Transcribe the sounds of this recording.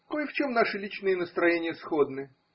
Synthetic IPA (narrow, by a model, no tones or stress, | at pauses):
koɪft͡ɕo̞mnaʂɨlʲit͡ɕnɨjənəst̪ɾɐjenʲɪjəsxod̪nɨ